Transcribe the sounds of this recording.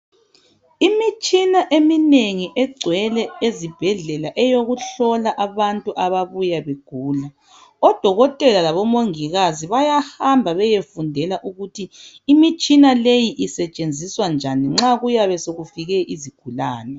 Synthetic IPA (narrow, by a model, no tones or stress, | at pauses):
imit͡ʃʼinaʔemineŋiʔɛɡ͡ǀʱwɛlɛezib̥ʱɛɮɛlaʔɛjoɣuɬɔlaʔaβantʼuʔaβaβujaβeɡ̥ʱuːla | ɔd̥ʱɔɣɔtʼɛlalaβɔmoŋiɣaziβajahambʱaβɛjefundʱɛlaʔuɣutʰiː | mit͡ʃʼinalejiʔisɛt͡ʃʼend͡zʱiswand͡ʒʱaniŋ͡ǁaɣujaβɛsoɣufiɣɛʔiziɡ̥ʱulaːnɛ